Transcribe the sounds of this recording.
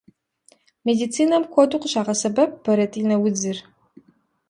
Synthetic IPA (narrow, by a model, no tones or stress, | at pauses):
meːdit͡sʰiːnɐmkʷʰoduqʷəɕaːʁɐsɐbɐp̚b̥ɐɾɐtʼinɐwʊd͡zɨr